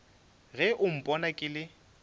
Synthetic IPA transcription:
ɣɛʔʊm̩pʼɔnakʼɪlɪ

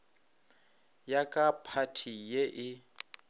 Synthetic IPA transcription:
jakʼapʰatʰijeʔɪ

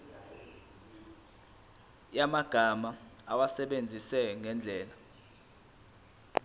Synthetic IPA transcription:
jamaɡ̥ʱamaawasɛɓend͡zʱisɛŋɛnd͡ɮʱɛːla

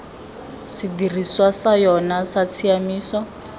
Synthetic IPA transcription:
sidir̤iswasajɔnasat͡sʰiamiːsɔ

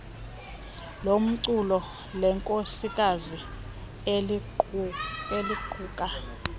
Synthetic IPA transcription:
lom̩ǀulɔ | lɛŋkʼosik̬ʼazi | eliǃʰuːk̬ʼa

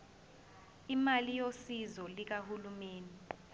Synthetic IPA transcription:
imalijosizɔlik̬ahulumeːni

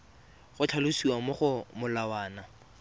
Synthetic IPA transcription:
ɣʊt͡ɬʰalʊsiwamʊχʊmʊlawaːna

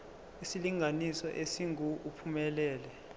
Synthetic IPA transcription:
isiliŋʱanisɔʔesiŋʱuupʰumɛlɛːlɛ

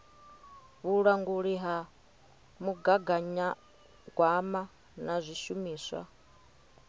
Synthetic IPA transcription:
βuɺaŋɡuɺiɦa | muɡaɡaɲa | ɡwama | nazʷiʃumiːswa̰

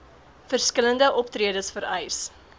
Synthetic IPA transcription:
fərskələndəʔɔptriədəsfəɾɛjs

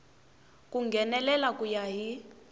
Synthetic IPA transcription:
k̬ʼuŋɡʱɛnɛlɛlakʼujaɦi

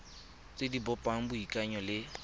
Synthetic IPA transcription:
t͡sʼɪdibɔpʼaŋ̩bʊikʼaɲɔlɪ

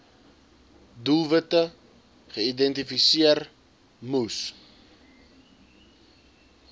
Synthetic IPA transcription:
dulˠvətə | χəidɛntifisiər | mus

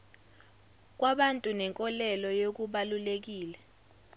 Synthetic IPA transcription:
k̬waɓantʼunɛŋkʼɔlɛlɔjok̬uɓalulek̬iːlɛ

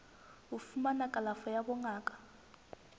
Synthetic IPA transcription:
ufumanakʼalafɔjabɔŋaːkʼḁ

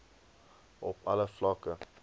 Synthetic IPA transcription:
ʔɔpɐləflɑkə

